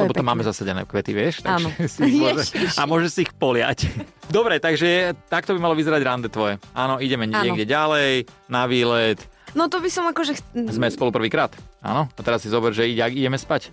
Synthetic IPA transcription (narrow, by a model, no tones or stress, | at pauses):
lɛbɔt̪amːaːmɛzasaɟɛnɛ̰ːkʋɛt̪iʋɪɛʃt̪aanʒɔsimɔʒɛamʊɔʒɛsiːxpɔlɪa̰cd̪ɔbɾɛt̪aɡʒɛt̪akt̪ɔbimalɔʋizɛɾaɟɾand̪ɛt̪ʋɔjɛʔaːnɔiɟɛmɛɲɛɡɟɛɟalɛjnaʋiːlɛt̪nɔt̪ɔbisɔmakɔʒɛzmɛspɔlupr̩ʋiːkɾaːt̪a̰nɔat̪ɛɾasːizɔbɛɾʒɛiɟɛaɡiɟɛmɛspac